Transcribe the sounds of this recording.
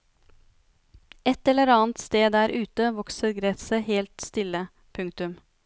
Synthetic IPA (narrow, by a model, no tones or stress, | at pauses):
ɛt̪ɛlːəɾɑːnt̪st̪eːd̪æːɾʔʉːt̪əʋɔksəɾɡɾɛt̪səheːlt̪st̪ɪlːə | pʰʉŋk̚t̪ʉm